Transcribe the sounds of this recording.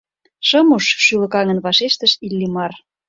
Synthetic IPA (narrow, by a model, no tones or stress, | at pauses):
ʃɤmuʃʃylə̆kɑŋə̆nβɑʃeʃt̪ə̆ʃilːimɑr